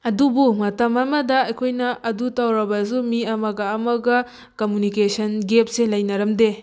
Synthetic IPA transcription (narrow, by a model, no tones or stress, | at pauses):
ɐdubumɐtɐmɐmɐdɐɐjkʰojnɐʔɐdutawɾɐbɐsumiɐmɐɡɐːmɐɡɐ | komjunikesɐnɡep̚selɐjnɐɾɐmde